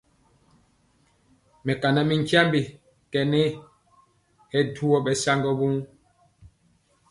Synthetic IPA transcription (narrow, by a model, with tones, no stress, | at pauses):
mɛ˨ka˨na˨mi˨ŋ˦kja˦mbi˨ | kɛ˨ne˦ | hɛ˦du˦ɔ˦bɛ˨sa˦ŋɡɔ˦bu˦ŋ